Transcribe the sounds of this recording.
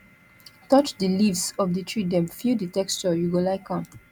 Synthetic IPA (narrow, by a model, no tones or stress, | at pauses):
tɔt͡ʃdilivsɔvdətʰɹidɛ̃mfiditɛkst͡ʃɔjuɡolaɪkʰɔ̃m